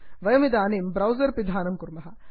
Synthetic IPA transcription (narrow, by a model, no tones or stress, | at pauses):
ʋɐjɐmid̪aːniːmbɾɐwzɐɾpid̪ʱaːnɐmkuɾmɐɦɐ